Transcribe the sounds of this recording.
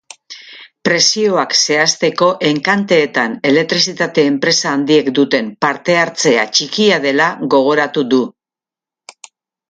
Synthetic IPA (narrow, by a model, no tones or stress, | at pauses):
pɾe̞sio̞akse̞ast̪e̞ko̞ʔe̞ŋkant̪e̞ːt̪ane̞le̞k̚t̪ɾisit̪at̪e̞ːmpɾe̞saːnd̪ie̞kd̪ut̪e̞mpaɾt̪e̞aɾt͡se̞a̰t͡ʃikiaðe̞laɣo̞ɣ̞o̞ɾat̪uðu